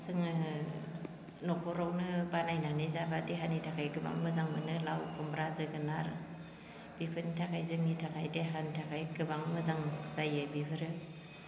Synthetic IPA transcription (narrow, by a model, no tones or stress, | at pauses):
sɯŋɯ | nɔkʰɔɾɔwnɯbanajnanizabadeɦanitʰakʰajɡɯba̰ŋmɯzaŋmɯnɯlawkʰɔmbɾazɯɡɯnaɾ | b̥ipʰɯnitʰakʰajzɯŋnitʰakʰajdeɦanitʰakʰajɡɯbaŋmɯzaŋzajɯbipʰɯɾɯ